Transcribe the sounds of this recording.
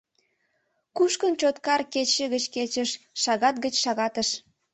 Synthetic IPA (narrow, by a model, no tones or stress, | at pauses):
kuʃkənt͡ɕot̪kɑrket͡ɕəɣət͡ɕket͡ɕəʃʃɑɣɑt̪̚ɡət͡ɕʃɑɣɑt̪əʃ